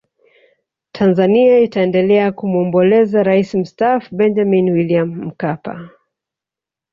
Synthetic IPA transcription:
tʰanzaniaitaɛndɛlɛakumuɔmbɔlɛzaɾaisim̩stafubɛnd͡ʒaminwiliamm̩kapa̰

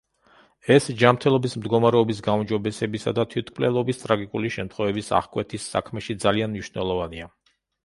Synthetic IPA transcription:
ɛsd͡ʒamɾt̪ʰɛlˠɔbismd̪ɡɔmaɾɛɔbis̬ɡaumd͡ʒɔbɛsɛbisad̪at̪ʰwit̪ʰklɛlˠɔbist̪ʼɾaɡikʼuliʃɛmt̪ʰχwɛvɛbisa̰χkʼwɛt̪ʰisːa̰kʰmɛʃid̪zalianmniʃnɛlˠɔvania

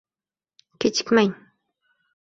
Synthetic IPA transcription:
kɪt͡ʃɪkmaŋ

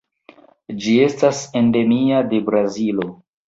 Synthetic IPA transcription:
d͡ʒie̞stase̞nde̞miade̞bɾazilo̞

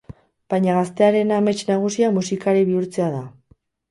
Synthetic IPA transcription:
b̥ajɲaɣast̪e̞aɾe̞name̞t͡ʃnaɣ̞usiamusikaɾiβiuɾt͡se̞að̞a

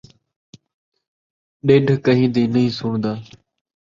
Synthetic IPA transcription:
ɗeːɖʱkəɦĩːnd̪iːnəĩːsʊːɳnd̪aː

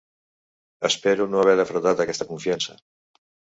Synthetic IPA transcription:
espeɾunoaβeɾafɾot̪at̪akest̪akuɱfjansa̰

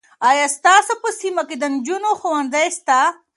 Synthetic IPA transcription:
ajast̪aːsopəsimaked̪ənd͡ʒunoxowanzajst̪a

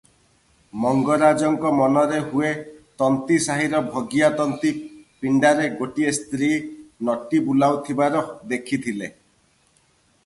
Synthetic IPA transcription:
mɔŋɡɔɾad͡ʒɔŋkɔmɔnɔɾeɦuet̪ɔnt̪isaɦiɾɔbʱɔɡijat̪ɔnt̪ipiɳɖaɾeɡoʈiest̪ɾinɔʈibulawt̪ʰibaɾɔd̪ekʰit̪ʰile

